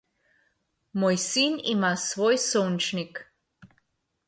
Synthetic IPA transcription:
mojsinḭmasvojsont͡ʃnik

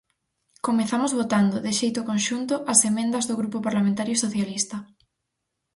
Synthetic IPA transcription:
komeθamozβot̪and̪ʊðɪʃejt̪okonʃunt̪ʊʔɐsemẽnd̪ɐzðoɣɾupopaɾlamẽnt̪aɾjosoθjalist̪ɐ

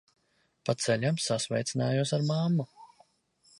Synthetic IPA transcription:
pat̪sɛlʲamsasvɛ̰jt̪sinaːjuɔsaɾmamːu

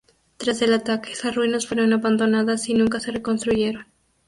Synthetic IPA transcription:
t̪ɾazðe̞lat̪ake̥esasruinasfwe̞ɾo̞naβand̪o̞naðasinũŋkase̞re̞ko̞nst̪ɾuʝe̞ɾo̞n

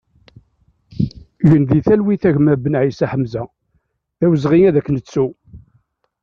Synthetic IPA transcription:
ʝənd̪iθælwiθæʝmæbənʕisæħəmzæ | ðæwəzʁiŋæðækːnət͡sːu

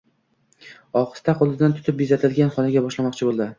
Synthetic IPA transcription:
ɒqɨ̥st̪ʰaqʰolˠd̪ɪd̪ant̪ʰʊ̥t̪ʰɪp̚bizat̪ʰɪlɡʲanχɒnaɡʲabɒʃlamɒq̚t͡ʃʰɪbolˠd̪ɪ

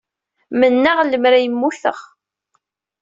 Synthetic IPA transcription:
mənːaʁləmɾæjəmːuθə̰ʁ

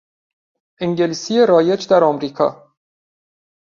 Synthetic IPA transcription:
ʔeŋɟeliːsijeɾɒːje̞d͡ʒd̪æɾɒːmɾiːkʰɒ̰ː

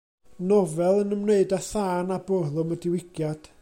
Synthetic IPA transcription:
nɔvɛlˠənəmneɨdaθaːnabɔrlˠʊmədɪwɪɡ̥jad̥

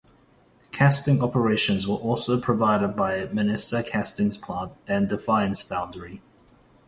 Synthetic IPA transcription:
kʰæstɪ̃ŋɒpəɹeɪʃə̃nzwəʔɔˑlˠsoʊpʰɹ̥əvaɪɾəd̚baɪmɪnɪsəkʰæstɪ̃ŋz̥pʰl̥ɑ̃ntɨ̃ndɪfaɪə̃nsb̥ãʊ̃ndəɹi

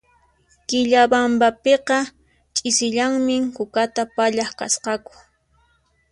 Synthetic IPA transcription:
kɪʎabambapeqɑ | t͡ʃʼɪsɪʎaŋmɪŋkʊkat̪apaʎaχka̰sqɑkʊ̥

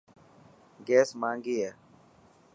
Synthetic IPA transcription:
ɡeːsmãːŋɡiːeː

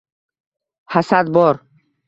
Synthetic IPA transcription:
hasad̪̚bɔɾ

